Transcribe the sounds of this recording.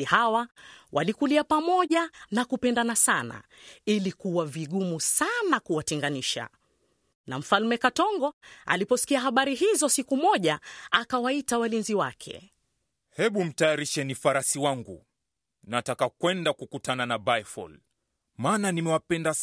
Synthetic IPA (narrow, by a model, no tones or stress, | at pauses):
ihawawʔa̰likuliapamɔʄanakupɛndanasana̰ | ilikuwaviɠumusanakuwatɛŋɡaniʃa̰ | nam̩falmɛkatɔŋɡɔa̰lipɔsi̥kiaɦaɓaɾiɦizɔsikumɔʄaakawaitawalinziwakʰɛ̰ | hɛɓum̩tajaɾiʃɛnifaɾasiwaŋɡṵ | natakakwɛndakukutananabajfɔ̰l | maːnanimɛwapɛnda